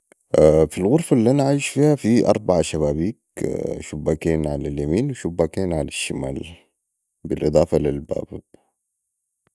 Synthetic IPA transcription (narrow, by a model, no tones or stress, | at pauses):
ʔafilɣʊɾfalːiʔanaʕaiʃfiːhafiʔɑ̰ɾˤbaʕaʃaβaːbiːkʃubːaːkeːnʕalaljamiːnwiʃubːaːkeːnʕalaʃːamaːl | bilʔɨd̪ˤɑːfalilba̰ːb